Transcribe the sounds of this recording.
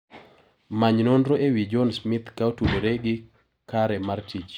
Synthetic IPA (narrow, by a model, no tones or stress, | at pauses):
maɲnɔndɾoewid͡ʒɔnsmɪt̪kaotuɾoɾeɡɪ | kaɾɛmaɾtʰid͡ʒ